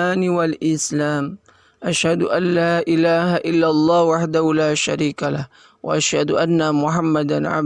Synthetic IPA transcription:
aːnɪwalʔɪslaːm | ʔaʃhad̪ʊʔanːaːʔɪlaːhaʔɪlːalˤːɑːhʊwaħd̪ahʊlaːʃaɾiːkalah | wa̰ʔaʃhad̪ʊʔanːamʊħamːad̪anʕa̰b

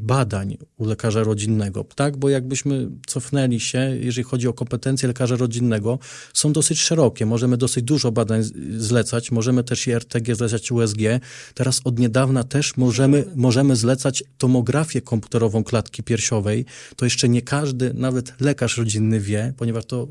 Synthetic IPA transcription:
bad̪aɲulɛkaʐaɾɔd͡ʑinːɛɡɔ̰t̪aɡbɔjaɡ̚bɘɕmɘt̪sɔfnɛlʲiɕɛjɛ̰ʐɛlʲixɔd͡ʑiɔkɔmpɛt̪ɛnt̪sjɛlɛkaʐaɾɔd͡ʑinːɛɡɔ | sɔ̃w̃d̪ɔsɘt͡ɕʂɛɾɔkʲɛmɔʐɛmɘd̪ɔsɘd͡ʑd̪uʐɔbad̪aɲzlɛt̪sat͡ɕmɔʐɛmɘt̪ɛʂiɛɾt̪ɛɡʲɛzlɛt̪at͡ɕuɛzɡʲjɛt̪ɛɾasɔd̪ɲɛd̪avnat̪ɛʂmɔɛmɘmɔʐɛmɘzlɛt̪sat͡ɕt̪ɔmɔɡɾafʲjɛkʰɔmpu̥t̪ɛɾɔvɔ̃w̃klat̪kʲipʲjɛɾɕɔvɛjt̪ɔjɛʂt͡ʂɛɲɛkʰaʐd̪ɘnavɛt̪lɛkaʂɾɔd͡ʑinːɘvʲjɛpɔɲɛvaʂt̪ɔ

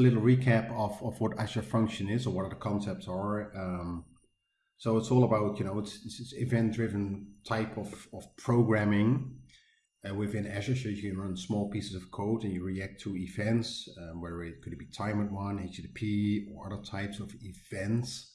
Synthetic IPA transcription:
lɪɾl̩ˠɹikʰæpəvəvwʌɾæʃəfʌ̃ŋkʃɨ̃nɪzə˞wʌɾʌðə˞kʰɑ̃nsɛp̚tsə̃˞m | soʊɪtsɔlˠəbaʊt̚jɨnoʊɪtsɪtsɪtsɪvɛ̃nd̥ɹɪvn̩tʰaɪpʰʌv̥ʌv̥pʰɹ̥oʊɡɹæ̃mɪ̃ŋ | wɪðɪ̃næʃɨsoʊjɨkʰɨ̃nɹʌ̃nsmɔlˠpʰisɨzʌv̥kʰoʊɾɨ̃njɨɹiæk̚tʰɨɪvɛ̃ntswɛə˞ɪkʰɨdɨt̚b̥itʰãɪ̃mət̚wʌ̃neɪt͡ʃdipʰiə˞ʌðə˞tʰaɪpsʌvɪv̥ɛ̃nts

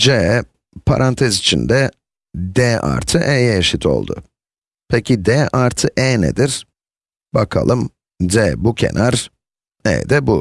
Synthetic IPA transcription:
d͡ʒɛ | pʰa̰ɾʔant̪ʰɛzit͡ʃʰind̪ɛ | d̪ɛːʔa̰ɾt̪ʰɯʔɛjeʃit̪ʰo̞̰lˠd̪ʊ̰ | pʰecʰid̪ɛːʔaɾt̪ʰɯʔɛːnḛd̪iɾ̥ | bakʰa̰lˠɯm | d̪ɛːbucʰḛnʔaɾ | ɛ̰ːd̪ɛbu

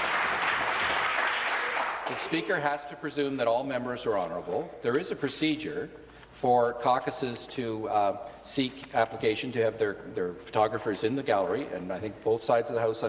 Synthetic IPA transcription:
ðɨspikə˞ɦæz̥tʰɨpʰɹ̥ɨzʉ̃mðɨɾɔlˠmɛ̃mbə˞zə˞ɑnə˞əbl̩ˠðə˞ɨzɨpʰɹ̥ɨsid͡ʒə˞ | fə˞kʰɑkɨsɪz̥tʰɨ | sikæpləkeɪʃɨ̃ntɨːvðə˞ðə˞fə̥tʰɑɡɹɨfə˞zɨ̃nðɨɡælˠə˞iɨ̰̃naɪθɪ̃ŋk̚b̥oʊθsaɪdzʌvðəhaʊs

